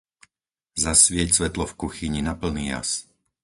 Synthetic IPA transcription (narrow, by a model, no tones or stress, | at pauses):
zasʋɪɛcsʋɛt̪lɔfkuxiɲinapl̩niːja̰s